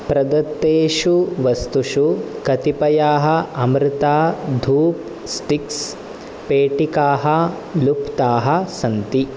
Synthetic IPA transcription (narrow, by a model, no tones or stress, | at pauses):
pɾɐd̪ɐt̪ːeːʃuʋɐst̪uʂukɐt̪ipɐjaːɦɐ̆ɐmɾɪt̪aːd̪ʱuːp̚ | sʈiks | peːʈikaːɦɐ | lupt̪aːɦɐ̆sɐnt̪i